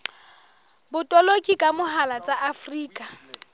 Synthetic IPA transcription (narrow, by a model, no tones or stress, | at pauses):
bʊtʼɔlokʼikʼamʊɦalat͡sʼaʔafriːkʼa